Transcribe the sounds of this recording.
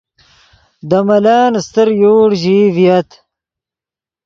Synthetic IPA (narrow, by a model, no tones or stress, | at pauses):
d̪ɐmɐlaːnst̪əɾjoːɽʑiːvijɐt̪